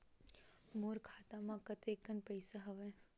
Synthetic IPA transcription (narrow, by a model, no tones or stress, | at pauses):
moɾkʰaːt̪amãkət̪ekənpəjsaɦəʋe